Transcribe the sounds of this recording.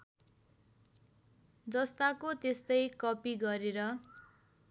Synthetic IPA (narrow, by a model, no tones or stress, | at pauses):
d͡zʌst̪akot̪est̪ʌjkʌpiɡʌɾeɾʌ